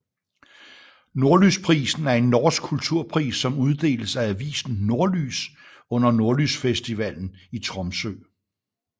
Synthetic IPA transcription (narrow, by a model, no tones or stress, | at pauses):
no̝ɐlyspʰʁiːsn̩æɐe̝nːɒsɡ̥̚kʰult͡sʰuɐ̰pʰʁḭːsːɒ̽muð̞ˠd̥e̝̰ːləsææʋḭːsn̩no̝ɐly̰ːs | ɔ̽n̰ɐno̝ɐlysfesd̥iʋæl̰n̩it͡sʰʁɒ̽msø̰ː